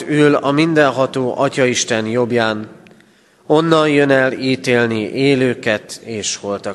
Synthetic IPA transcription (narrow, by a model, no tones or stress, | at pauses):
yːlɒmind̪ɛnɦɒt̪oːʔɒcɒiʃt̪ɛnjo̞bjaːn | o̞nːɒnjønɛliːt̪eːlniʔeːløːkɛt̪eːʃho̞lt̪ɒ